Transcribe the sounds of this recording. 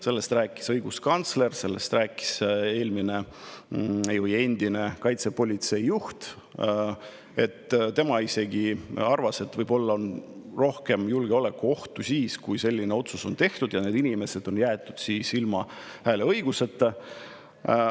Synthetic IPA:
se̞lːest̪ræːkːˑi̥sɤjɡ̥uskɑnt̪sle̞rse̞lːe̞st̪ræːkːˑi̥se̞ːlmine̞ | ejoje̞nʲd̪̥ine̞kɑjt̪sepo̞lʲit̪se̞ijːuht̪ | e̞t̪ːt̪e̞mɑise̞ɡ̥iɑrvɑset̪vɤjb̥o̞lːɑonro̞hke̞mjulɡ̥e̞o̞le̞kːuo̞ht̪usiːskujse̞lʲːine̞o̞t̪suso̞nt̪e̞ht̪ud̪jɑne̞ːd̪inime̞se̞d̪̥o̞njæːt̪ːˑud̪̥siːsilmɑhæːle̞ɤjɡ̥use̞t̪ːˑe

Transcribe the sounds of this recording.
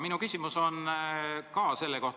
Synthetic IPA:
minukysʲimuso̞n | kɑse̞lːeko̞ht̪

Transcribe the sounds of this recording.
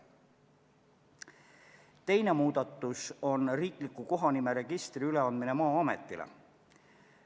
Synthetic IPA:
t̪e̞jne̞muːd̪̥ɑt̪ːˑuso̞nriːklikːˑuko̞ɦɑnime̞ɾe̞ɡ̥ist̪riyle̞ɑnd̪̚mine̞mɑːɑme̞̰t̪ːˑilḛ

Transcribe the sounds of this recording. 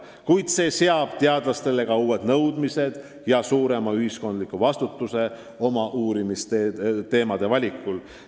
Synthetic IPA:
kujd̪̥se̞ːse̞ɑb̥t̪e̞ɑd̪̥lɑst̪e̞le̞ɡ̥ɑuːwe̞d̪̥nɤwd̪mise̞d̪̥ | jɑsuːɾe̞mɑyhisko̞nd̪likˑuvɑst̪ut̪ːˑuse̞ | o̞mɑʔuːɾimist̪et̪e̞ːmɑd̪̥e̞vɑlʲikːˑul

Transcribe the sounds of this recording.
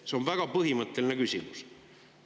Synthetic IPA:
seo̞nvæɡ̥ɑpɤɦimɤt̪ːˑe̞line̞kysʲimus

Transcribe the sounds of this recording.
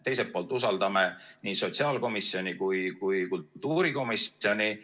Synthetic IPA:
t̪e̞jset̪̚pːoːlt̪ːˑusɑld̪ɑmeniːso̞t̪ʲsiɑːlko̞misːjo̞nʲikujkujkultt̪ːuːɾiko̞miso̞nʲi

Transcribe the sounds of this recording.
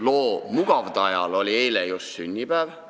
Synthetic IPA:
lo̞ːmuɡ̥ɑvd̪̥ɑjɑ̰lo̞lʲiejlejussynʲːibæːv

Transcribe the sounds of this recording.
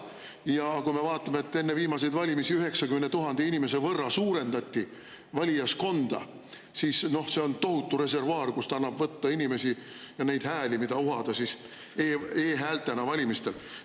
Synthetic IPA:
jɑkume̞vɑːt̪ːˑɑmeːt̪ːe̞nːe̞viːmɑse̞jd̪vɑlʲimisiyɦe̞ksɑkymenet̪uɦɑnd̪̥einime̞se̞vɤrːɑsuːɾe̞nd̪ɑt̪ʲːi | vɑlʲijɑsko̞nd̪̥ɑ̰ | sisno̞hse̞o̞nt̪o̞ɦut̪ːˑuɾe̞se̞rvɑːrkust̪ɑɑnːɑb̥vɤt̪ːɑinime̞si | jɑne̞jd̪̥hæːlimid̪̥ɑuɦɑd̪̥ɑsis | eːeːɦæːlt̪ːˑenɑvɑlʲimist̪e̞l

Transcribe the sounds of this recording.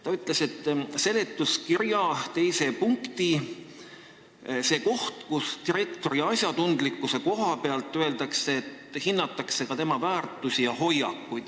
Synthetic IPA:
t̪ɑyt̪ːˑle̞set̪ːˑse̞let̪ːˑuskiɾjɑt̪e̞jse̞puŋkt̪i | se̞ːko̞ht̪kust̪iɾe̞kt̪o̞ɾiɑsʲjɑt̪und̪likːˑuse̞ko̞ɦɑpe̞ɑlt̪ˑːøe̞ld̪ɑkseːt̪hinːɑt̪ːˑɑkse̞kɑt̪e̞mɑvæːrt̪ːˑusʲijɑɦo̞jɑkːˑujd̪̥

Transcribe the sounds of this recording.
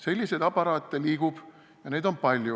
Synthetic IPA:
se̞lʲːise̞d̪ɑpɑɾɑːt̪ːˑeliːɡ̥ub̥ | jɑne̞ːd̪o̞npɑlʲju

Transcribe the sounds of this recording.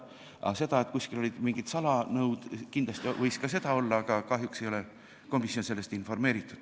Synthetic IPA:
ʔɑ̰se̞d̪̥ɑet̪ˑkusʲkilo̞lid̪̥miŋɡ̥id̪̥sɑlɑnɤwd̪̥kind̥̪lɑst̪ivɤ̞jskɑs̬e̞d̪̥ɑo̞lːɑɑɡ̥ɑkɑɦjukse̞jo̞le̞ | ko̞misjo̞nse̞lːe̞st̪info̞rme̞ːɾit̪ːˑud̪̥

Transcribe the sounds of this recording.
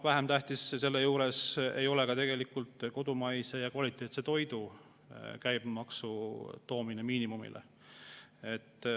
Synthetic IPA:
væɦemt̪æht̪isse̞lːejuːɾe̞se̞̰jo̞lekɑt̪e̞ɡ̥e̞likult̪ko̞d̪umɑjse̞jɑkvɑlit̪ːˑet̪set̪o̞jd̪̥u | kæjb̥mɑksut̪o̞ːminemiːnimumḭlʔḛ | et̪ːˑ

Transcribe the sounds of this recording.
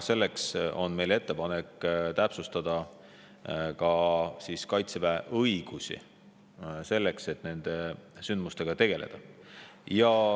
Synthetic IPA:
se̞lːekso̞nme̞jle̞t̪ːe̞pɑnekːt̪æpsust̪ɑd̪̥ɑ | kɑsiːskɑjt̪sevæʔɤjɡ̥usḭ | se̞lːe̞kse̞t̪ːˑne̞nd̪̥esynd̪̚must̪e̞ɡ̥ɑt̪e̞ɡ̥e̞le̞̰d̪̥ɑ | jɑ

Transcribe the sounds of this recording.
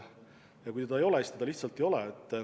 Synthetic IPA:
jɑkujt̪ed̪ɑejo̞lest̪ed̪ɑliçt̪sɑlt̪ːˑejo̞lɛet̪ː

